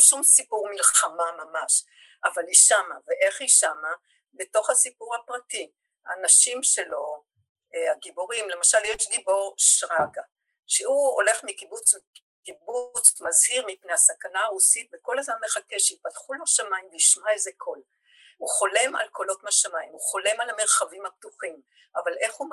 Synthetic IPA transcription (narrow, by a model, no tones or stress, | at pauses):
ʃumsipuʁmilχamamamaʃ | ʔavaliʃama̰veʔe̞χiʃama | be̞to̞χhasipuʁhapʁati | aːnaʃimʃe̞lo̞ | aɡiboʁimle̞maʃaljeʃdibo̞ʁʃʁaɡa | ʃeuo̞̰le̞χmikibut͡s | kibut͡smazhiʁmipnehasakanaːʁusit̪̚beko̞lazmammeχake̞ʃeit̚patχuloʃamaimbiʃmaezekʰo̞l | uχo̞le̞ma̰lko̞lo̞tmaʃamaimuχo̞le̞malame̞ʁχavimhap̚tuχim | ʔavalʔe̞χhu